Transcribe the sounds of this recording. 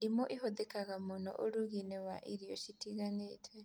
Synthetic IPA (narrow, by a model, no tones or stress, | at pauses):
imɔʔihoðekaɣamonɔ̰ʔoɾuɣinewaʔiɾijɔʃitiɣanetwɛ